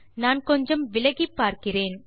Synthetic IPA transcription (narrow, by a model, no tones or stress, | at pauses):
naːnkɔɲd͡ʒɐmʋɪlɐɣipːaːɾkɪreːn